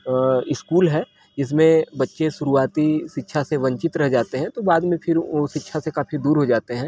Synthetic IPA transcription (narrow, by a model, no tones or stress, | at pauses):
ɪskuːlɦɛː | d͡ʒɪs̬mẽbɐtːʃeʃʊɾuaːt̪iʃɪtːʃʰaseʋɐ̃ɲt͡ʃɪt̪ɾɐɦd͡ʒaːt̪eɦɛ̃t̪obaːd̪mẽpʰɪɾosɪtːʃʰasekaːfid̪uːɾɦod͡ʒaːt̪eɦɛ̃ː